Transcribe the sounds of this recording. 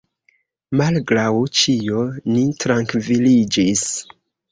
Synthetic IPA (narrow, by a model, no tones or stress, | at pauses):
malɡɾawt͡ʃijonitɾaŋkvilid͡ʒis